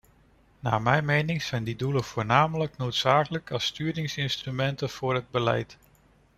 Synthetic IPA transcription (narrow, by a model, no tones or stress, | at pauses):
na̰ːmɛjnmejnɪŋz̥ɛjndiduləv̥ʊːɹnaːmələk̚nowtsaːkələkɑstyːdɪŋsɪnstrymɛntəv̥ʊːrɦəd̚bəlɛ̰jt